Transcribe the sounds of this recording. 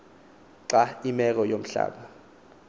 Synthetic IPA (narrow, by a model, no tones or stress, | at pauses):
ǀaimɛk̬ɔjom̩ɬa̰ːɓa